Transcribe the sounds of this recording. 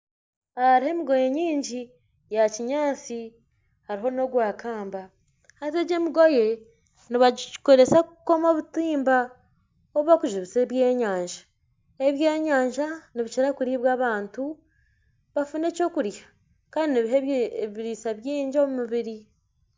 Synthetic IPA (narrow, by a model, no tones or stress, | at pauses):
ahaɾihe̞miɡo̞jeɲiːɲɟi | jaciɲaːt͡si | haɾiɦo̞no̞ɡwaːkʰaːmba | hateɟemiɡo̞je̞ | niβaiko̞ɾe̞sakuko̞moβutiːmba | oβwakuʒuβiseβje̞ːɲaːɲʒḁ | eβje̞ːɲaːɲʒaniβit͡ʃiɾakuɾiβwaːβaːntu | βafune̞ːco̞kuɾjḁ | kaːndiniβiɦeiɾisaβjiːɲɟiomumuβiɾi